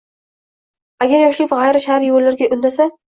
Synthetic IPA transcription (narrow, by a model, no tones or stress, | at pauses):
aɡʲaɾjɒʃlɪpʁajɾaʃaaɾjolːaɾɡʲaʔʊnːasa